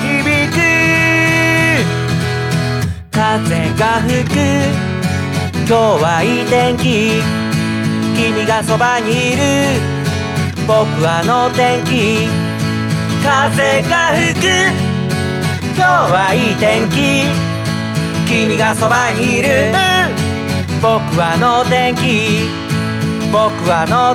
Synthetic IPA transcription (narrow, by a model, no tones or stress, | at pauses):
çibʲikɯ | kazeɡaɸɯkɯ | kʲoːβaiːt̪ẽŋkʲi | kʲimʲiɡaso̞baɲ̟iːɾɯ | bokɯ̟βanot̪ẽ̞ŋkʲi | kazeɡahɯkɯ | kʲoːβaiːt̪ẽŋkʲi | kʲimʲiɡasobaɲiːɾɯ | bo̞kɯ̟βanot̪ẽŋkʲi | bokɯ̟βano